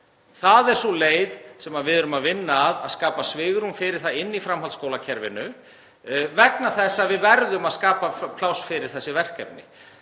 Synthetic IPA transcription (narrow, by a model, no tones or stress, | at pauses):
θaðɛɾ̥sɔleːjðsɛmaðvɪðʏɾʏmaðvɪnːaːðaðskaːpasvɪɣɾunfɪɾɪɾ̥θaðɪnːifɾamɦalskowlacʰɛɾvɪ̰nʏ | vɛknaθɛsːaðvɪðvɛɾðʏmaðskaːpapʰlawsfɪɾɪɾ̥θɛsːɪvɛr̥kɛpnɪ̰